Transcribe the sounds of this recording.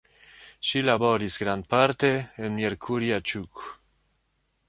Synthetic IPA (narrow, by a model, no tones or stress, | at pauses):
ʃilaβoɾizɡɾand̪̚paɾt̪eːnmeɾkʰuɾiat͡ʃuk